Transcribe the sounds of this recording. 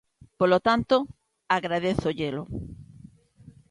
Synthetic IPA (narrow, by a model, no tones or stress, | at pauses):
polot̪ant̪o | aɣɾaðeθoʎelo